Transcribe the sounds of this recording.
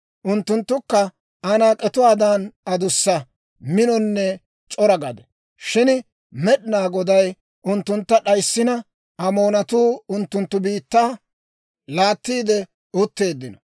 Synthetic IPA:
ʔʊnt̪ːʊnt̪ːʊkːɐ | ɐnaːkʼɛt̪ʊwaːd̪anɐd̪ʊsːɐ | mɪnɔnːɛ | t͡ʃʼɔɾɐɡɐd̪ɛ | ʃɪn | mɛɗnaːɡɔd̪ɐj | ʔʊnt̪ːʊnt̪ːɐɗɐjsːɪnɐ | ɐmo̞ːnɐt̪uːʊnt̪ːʊnt̪ːʊbiːt̪ːaː | laːt̪ːiːd̪ɛ | ʊt̪ːe̞ːd̪ːɪnɔ

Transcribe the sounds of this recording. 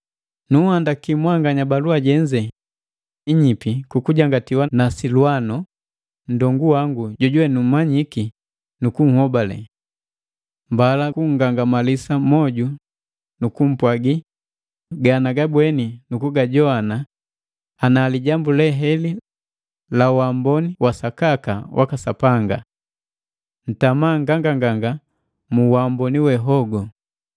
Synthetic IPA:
nuhandakimwaŋɡaɲabaluaɟɛɲd͡ʒɛ | iɲipikukuɟaŋɡatiwanasilwanɔ | n̩dɔŋɡuwaŋɡuɟɔɟwɛnum̩maɲiki | nukuŋ̩hɔbalɛ̰ | mbalakuŋ̩ɡaŋɡamalisamɔɟu | nukum̩pwaɡi | ɡanaɡabwɛninukuɡaɟɔana | anaːliɟambulɛɦɛli | lawambɔniwasakakawʔa̰kasapaŋɡa̰ | n̩tamaŋɡaŋɡaŋɡaŋɡa | muwambɔniwɛɦɔɡɔ

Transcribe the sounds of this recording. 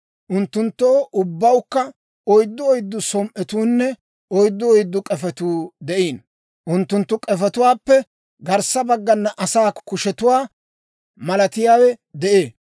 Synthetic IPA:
ʔʊnt̪ːʊnt̪ːoːʔʊbːɐwkːɐ | ɔjd̪ːɔɔjd̪ːʊsɔmʔɛt̪uːnːɛ | ɔjd̪ːɔɔjd̪ːʊkʼɛfɛt̪uːd̪ɛʔiːn | ʔʊnt̪ːʊnt̪ːʊkʼɛfɛt̪ʊwaːpːɛ | ɡɐɾsɐbɐɡːɐnːɐʔɐsaːkʊʃɛt̪ʊwaː | mɐlɐt̪ɪjaːwɛd̪ɛʔeː

